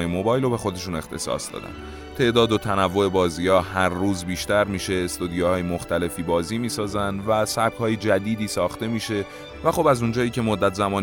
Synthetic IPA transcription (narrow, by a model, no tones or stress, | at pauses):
jemo̞bɒːjlobe̞xo̞d̪e̞ʃuːne̞xt̪ʰe̞̰sɒ̰ːsd̪ɒ̰ːd̪æ̰n | t̪ʰe̞ʔd̪ɒːd̪ot̪ʰænævːo̞e̞bɒːziːɒːɦæɾːuːzbiːʃt̪æɾmiːʃe̞ːst̪od̪ijohɒːjemoxt̪æle̞fiːbɒːziːmiːsɒːzænd̪væsæb̥̚kʰhɒːjed͡ʒæd̪iːd̪iːsɒːxt̪e̞miːʃe̞ | væxo̞bæzund͡ʒɒːiːcʰe̞mo̞d̪ːæt̪ʰzæmɒːn